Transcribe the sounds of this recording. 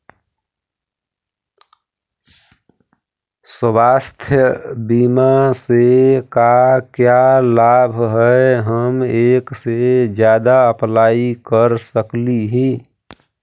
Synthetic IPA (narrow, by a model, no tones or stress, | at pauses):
səbast̪ʰjəbimasekakjalabʱɦəeɦəmeksed͡ʒjad̪aəplaːikəɾsəkliɦi